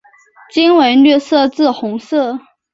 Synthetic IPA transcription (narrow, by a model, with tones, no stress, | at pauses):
t͡ɕi˥nwe˧˥nlɥɛ˥˧sɤ˥˧t͡sɹ̩˥˩xʊ˧˥ŋsɤ˥˩